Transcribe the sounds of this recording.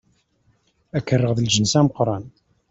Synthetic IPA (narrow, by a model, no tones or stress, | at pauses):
ækːərˤːəʁðəlʒənsæməqɾˤɑn